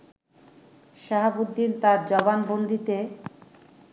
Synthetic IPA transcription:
ʃaɦabud̪ːint̪aɾd͡ʑɔbanbond̪ʱit̪e

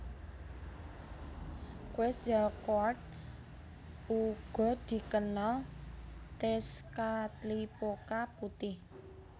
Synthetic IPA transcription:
kwɛsjakoart̪̚ | uɡ̥ɔ̤d̪̥i̤kənal | t̪ɛskat̪lipokaput̪ɪh

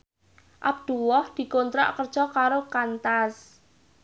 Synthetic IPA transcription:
ʔa̰b̚d̪̥uwɔhd̪̥i̤kont̪ɾa̰ʔkərd̥ʒ̥ɔkaɾokant̪as

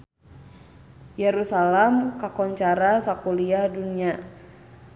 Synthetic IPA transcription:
jɛɾusalɛmkakɔɲt͡ʃaɾasakuliadunia

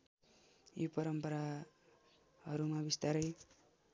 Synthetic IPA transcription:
jopʌɾʌmpʌɾa | hʌɾumabist̪aɾʌj

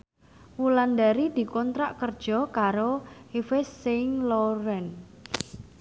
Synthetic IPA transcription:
wuland̪aɾid̪̥i̤kɔnt̪ɾaʔkərd̥ʒ̥ɔ̤kaɾohifɪsːeŋlɔɾɛn

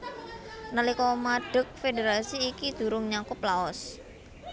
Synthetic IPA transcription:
nəlikɔmaɖ̥ə̤k̚fedeɾasiːkid̪̥ṳɾʊŋɲakʊplaɔs

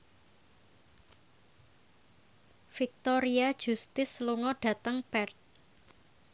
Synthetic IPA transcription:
fik̚t̪ɔɾiad̥ʒ̥ust̪ɪsluŋɔɖ̥a̤t̪əŋpɛrt̪̚

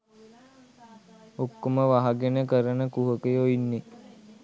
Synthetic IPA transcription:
okːoməʋaɦaɡenəkəɾənəkuɦəkəjoinːe

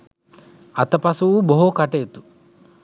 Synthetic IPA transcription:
ɐt̪ɐpɐsuwuboɦukɐʈeːt̪u̥

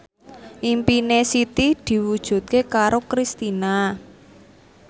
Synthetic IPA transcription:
ʔimpinesit̪itd̪̥i̤wud̥ʒ̥ṳt̪̚kekaɾokɾist̪ina

